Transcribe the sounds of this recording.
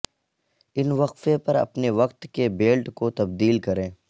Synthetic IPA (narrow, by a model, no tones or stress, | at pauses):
ɪnʋɐqfepɐɾɐ̰pneʋɐqt̪kebeːlʈkot̪ɐbd̪iːlkɐɾẽː